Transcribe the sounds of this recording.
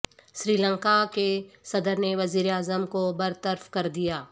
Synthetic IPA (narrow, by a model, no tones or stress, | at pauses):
ʃɾiːlə̃ŋkakesɐd̪əɾneʋɐziːɾeaːzəmkobɐɾt̪əɾfkɐɾd̪ijaː